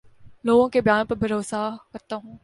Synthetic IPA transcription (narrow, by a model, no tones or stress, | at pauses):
loːɡõkebjaːnpɐɾbʱɐɾoːsakɐɾt̪aɦũː